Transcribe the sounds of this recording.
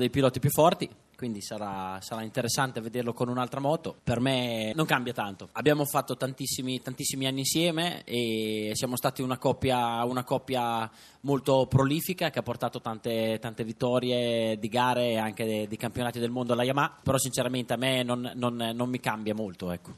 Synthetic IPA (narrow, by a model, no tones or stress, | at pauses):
ud̪ejpilɔːt̪ipjufːɔrt̪i | kwind̪isaɾasaɾaint̪eɾesːant̪eved̪erlokonunalt̪ɾamɔːt̪opermenoŋkambjat̪ant̪oabːjaːmofat̪ːot̪ant̪isːimit̪ant̪isːimianːiːnsjɛːmeesjaːmost̪aːt̪iunakɔpːjaunakɔpːja | molt̪opɾoliːfikak̟eapːort̪aːt̪ot̪ant̪et̪ant̪evit̪ːɔːɾjed̪iɡaːɾeːaŋked̪ekampjonaːt̪id̪elmond̪olajamapeɾɔsint͡ʃeɾament̪eamenonːonːomːikambjamolt̪oɛkːo̥